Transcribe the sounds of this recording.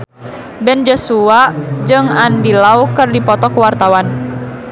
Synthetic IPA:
bɛnd͡ʒɔsuad͡ʒɨŋandilaukɨrdipɔt̪ɔkuwart̪awan

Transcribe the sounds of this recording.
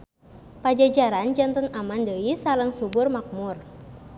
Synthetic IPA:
pad͡ʒad͡ʒaɾand͡ʒant̪ɔnamandəisaləŋsubʊrmak̚mʊr

